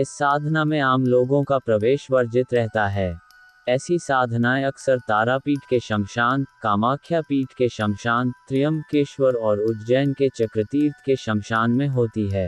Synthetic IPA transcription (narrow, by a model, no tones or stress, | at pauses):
ɪsːaːd̪ʱnamẽaːmloːɡõkapɾɐʋeːʃʋɐɾd͡ʒɪt̪ɾɛɦt̪aɦɛː | ɛːsisaːd̪ʱnaːeɐksəɾt̪aːɾapiːʈkeʃɐ̃ŋʃaːnkaːmaːkʰjapiːʈkeʃɐ̃ŋʃaːnt̪ɾɪjəmkeːʃwəɾɔːɾʊd͡ʒ̪d͡ʒɛːnket͡ʃɐkɾət̪iːɾt̪ʰkeʃɐ̃ŋʃaːnmẽɦoːt̪iɦɛː